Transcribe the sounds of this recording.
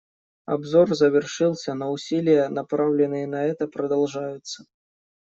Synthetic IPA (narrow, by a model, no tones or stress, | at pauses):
abzɔrzɐvʲɛrʂɨlˠsʲɐnɐusʲilʲijɛnapɾawlʲɪnɨjɛnɐɛt̪ɐpɾɐd̪alˠʐajʊt̪sːɐ